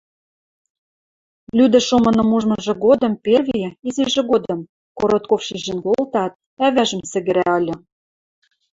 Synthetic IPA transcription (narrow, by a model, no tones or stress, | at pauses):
lʲyd̪ɘ̆ʃomɤ̆nɤ̆muʒmɤ̆ʒɤ̆ɣod̪ɤ̆mperviizɘ̆ʒɘ̆ɣod̪ɤ̆m | koɾot̪̚kofʃiʒɘ̆nɡoolt̪ɑt̪̚ | æβæʒə̆msɘ̆ɡɘ̆ɾæɤ̆lʲɤ̆